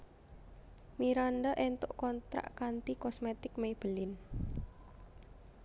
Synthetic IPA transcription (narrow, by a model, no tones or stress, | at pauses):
miɾanɖəʔɛnt̪ʊʔkɔnt̪ɾa̰ʔkant̪ikɔsmet̪ɪk̚mejb̥əlɪn